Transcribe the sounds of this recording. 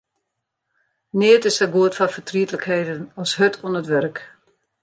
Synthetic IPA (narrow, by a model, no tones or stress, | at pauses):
nɪətɪsdəɡuətfafətriətələkheːdənɔshøtʰuənətʋørk